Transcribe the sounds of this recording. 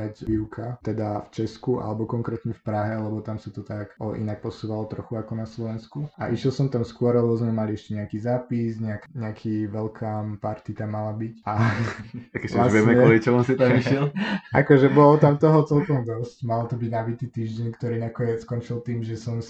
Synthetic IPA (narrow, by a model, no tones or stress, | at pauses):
acʋiʊkʰat̪ɛd̪aft͡ʃɛskuʔa̰lɛbɔkɔŋkɾɛt̪ɲɛfpɾaɦɛlɛbɔt̪amsat̪ɔt̪akɔʔḭnak̚pɔsuːʋalɔt̪ɾɔxuakɔnaslɔʋɛnskua̰ʔiʃjɛlˠsɔmt̪amskʊɔɾalɛbɔzmɛmaliɛʃcɛɲɛakiːzaːpisɲɛakɲɛakʰiːʋɛlkʰaːmpaɾt̪it̪amːalabica | akɛaʋɛmɛkkɔlit͡ʃɛlɔmsit̪amiʃɛlʔakɔʒɛbɔlɔt̪amt̪ɔɦɔt͡sɛlkɔmd̪ɔscmalt̪ɔbiɟnabit̪iːt̪iːʒɟɛɲkt̪ɔɾiːnakɔɲɛskɔnt͡ʃilt̪iːmʒɛsɔm